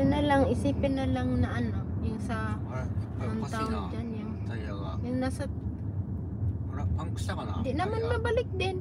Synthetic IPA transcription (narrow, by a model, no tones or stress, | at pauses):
jʊnɐlaŋɪsiːpɪnːɐlaŋnɐʔɐnojʊŋsɐ | ʊŋt̪aʔond͡ʒanjʊŋ | jʊŋnasɐt̪ | d̪ɪnɐmanmɐbɐlɪk̚d̪ɪn